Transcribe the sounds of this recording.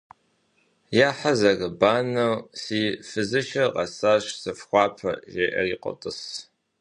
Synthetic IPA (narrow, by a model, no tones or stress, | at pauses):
jaːħazɐɣɐbaːnɐwsiːfɨzɨʃɐqɐsaːʃsɨfxʷɑːpʰɐ̰ʒeːʔɐ̰riːqʷʼɔ̰tʼɨs